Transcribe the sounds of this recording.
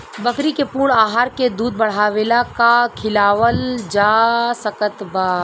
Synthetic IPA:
bəkɾikepuːɾɳaːɦaːɾked̪uːd̪̚bəɽ̤aːʋeːlakakʰɪlaːʋəld͡ʒasəkət̪baː

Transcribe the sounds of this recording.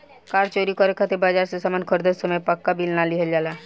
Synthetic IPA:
kaːɾt͡ʃoɾikɔɾekʰat̪eɾbaːd͡ʒaːɾsesəmankʰɔɾd̪əsəmepəkːabilnaliɦəld͡ʒaːla

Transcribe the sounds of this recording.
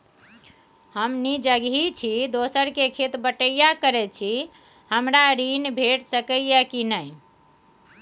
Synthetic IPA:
həmnid͡ʒəɡɦit͡ʃʰid̪osəɾkekʰet̪bəʈəjakəɾɛt͡ʃʰi | həmɾaɾinbʱeʈsəkəjjɛkinəj

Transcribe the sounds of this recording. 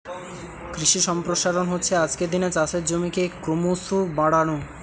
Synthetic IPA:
kɾiʃiʃɔmpɾoʃaɾonɦotːɕʰead͡ʑked̪inet͡ɕat͡ɕʰeɾd͡ʑomikekɾomusubaɽaɽo

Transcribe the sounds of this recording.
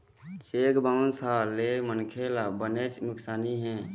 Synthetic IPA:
t͡ʃeːkbansalemənkʰelabənet͡ʃnʊksaːniɦɛ̃ː

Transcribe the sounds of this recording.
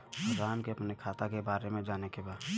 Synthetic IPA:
bʊɾaːnkeəpnekʰaːt̪akebaːɾemẽd͡ʒaːnekebaːd̪

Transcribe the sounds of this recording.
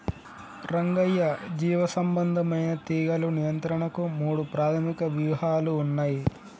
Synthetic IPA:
ɾɐŋɡɐjːɐd͡ʒiːʋɐsɐmbɐnd̪ʱɐmɐjnɐt̪iːɡɐlunijɐnt̪ɾɐɳɐkumuːɽupɾaːt̪ʰɐmikɐʋjuːhaːluːnːaːji

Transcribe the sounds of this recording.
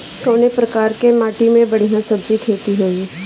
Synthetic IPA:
kɔːnepɾɐkaːɾkemaːʈimẽbɐɽ̤ijãsɐbzikʰeːt̪iɦoːiː

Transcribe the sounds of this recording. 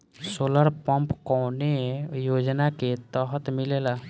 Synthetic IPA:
soləɾpəmpkɔwnejod͡ʒnaket̪əɦət̪milela

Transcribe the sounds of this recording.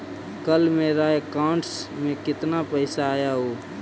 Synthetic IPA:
kəlmẽɾajekãːɳʈsmẽkɪt̪napəɪsaːjaɦoː

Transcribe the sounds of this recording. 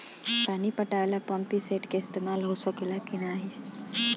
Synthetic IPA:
paːnipəʈalapəmpiseːʈkeɪst̪eːmaːlɦosəklakinaːɦi

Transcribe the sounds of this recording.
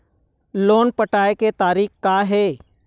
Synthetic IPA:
loːnpəʈaːeket̪aːɾiːxkaːɦɛː

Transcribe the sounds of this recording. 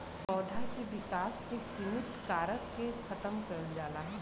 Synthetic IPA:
pɔːd̪ʱakiʋɪkaːskesimɪt̪kaːɾəkkexʰɐt̪əmkɐɾd͡ʒaːlaɦɛ̃

